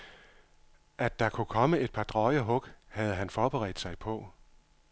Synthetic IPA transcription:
ʔæd̥ːɑ̈kʰukʰɒ̽məe̝d̥̚pʰɑ̈d̥ʁɒɪəɦɔ̽ɡ̥hæð̞̩ˠɦænfɒːb̥eʁɛ̰ːd̥sɑ̈ɪpʰɒ̽

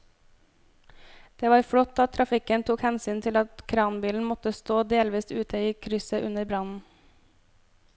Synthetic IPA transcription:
d̪̥eːʋɑːɾfɽɔt̪ːɑt̪ʰɾɑfɪkənt̪ʰuːkhɛnsyːnt̪ʰɪlɑt̪kʰɾɑːnbiːln̩mɔt̪əst̪oːd̪eːlʋiːst̪ʉːt̪ʰəiːkʰɾʏsəʔʉnəɾbɾɑnn̩

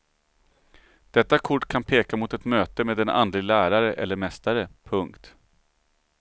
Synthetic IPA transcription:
d̪̥ɛt̪ːakʰʊʈːkʰanpʰeːkamʊt̪ɛt̪møːt̪əmeːd̪ɛna̰nd̪lɪɡlæːɾaɾəʔɛlːəɾmɛst̪aɾəpʰɵŋkt̪

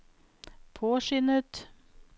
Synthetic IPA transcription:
pʰoːʃʏnət̪

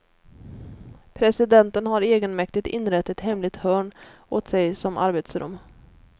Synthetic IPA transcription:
pʰɾɛsɪd̪ɛnt̪ənɦaɾeːɡənmɛkt̪ɪɡ̚t̪ɪnːɾɛt̪ːɪt̪hɛmlɪɡ̚t̪hœːɳʔoːt̪sɛjsɔmʔa̰ɾbeːt̪sɾɵ̰mː

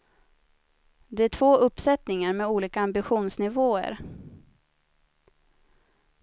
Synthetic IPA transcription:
d̪ɛæʈʰvoːʔɵpːsɛt̪nɪŋaɾmɛuːliːkaambɪɧuːnsnɪvoːə̰ɾ

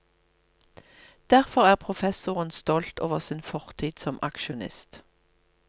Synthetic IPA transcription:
d̪̥æʁfɔʁæːʁpʰʁʊfɛsʊʁənst̪ɔlt̪o̰ːʋəʁsɪːnfɔʁt̪ʰiːt̪sɔmʔɑ̰kʃʊnɪ̰st̪

